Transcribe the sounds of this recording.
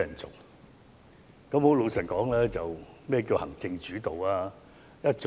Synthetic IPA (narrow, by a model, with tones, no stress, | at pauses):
ɐ˨˩nt͡sʊ̰˨˩k̚ | kɐ˨˥mho˨˥wlo˨˧wsɐ˨˩nkɔː˨˥ŋlɛː˥t͡sɐ˨wmɛː˥˩k̬iː˧whɐ̰˨˩ŋt͡sɪ˧ŋt͡ʃyː˨˥t̪o˨waː˧ | jɐ˥t̚t͡s